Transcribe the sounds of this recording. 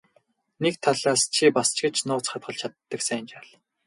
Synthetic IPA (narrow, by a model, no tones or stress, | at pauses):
nekt̪ʰaɮaːst͡ɕʰipast͡ɕɡĕt͡ɕnʊːt͡sχat̪̚ɢə̆ɮt͡ɕʰat̪ːə̆ksænt͡ɕaːɮ